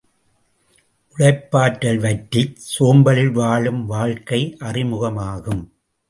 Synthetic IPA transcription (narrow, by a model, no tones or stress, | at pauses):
ʔʊɽɐɪpːaːʈːɐlʋɐʈːɪsoːmbɐlɪlʋaːɭɯmʋaːɻkɐɪʔɐrɪmʊɣɐmaːɣɯm